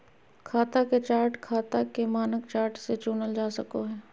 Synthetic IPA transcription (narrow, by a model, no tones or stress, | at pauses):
kʰaːt̪aket͡ʃaːɾʈkʰaːt̪akemaːnəkt͡ʃaːɾʈset͡ʃuːnəld͡ʒaːsəkoɦɛː